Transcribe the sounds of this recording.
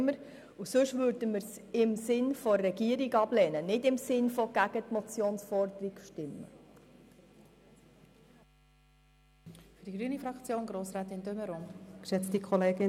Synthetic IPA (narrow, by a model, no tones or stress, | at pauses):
məɾ | usɵʃʋøɾdəməɾs | ɪmsɪnfoːɛɡiəɾiɡɑblɛːnənɪdɪmsɪnfɔɡ̥æɡ̥ət̪mɔt͡sjoːnsfɔrd̪əɾikʃtɪmːə̰ | fdiɡɾyːənifɾɑkt͡sjoːnɡɾoːsɾaːtɪndøməɾɔmkʃɛt͡stikʰɔleːɡɪ